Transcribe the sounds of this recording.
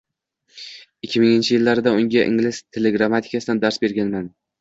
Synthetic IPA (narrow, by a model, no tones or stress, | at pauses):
ɪkʲʰːɪmɪŋɪnt͡ʃʰɪjɪlːaɾɪd̪aʊŋɡʲaʔɪ̰ŋlɪst̪ʰe̞leɡɾamat̪ʰɪ̥kʰasɪd̪and̪aɾsbe̞ɾɡʲanman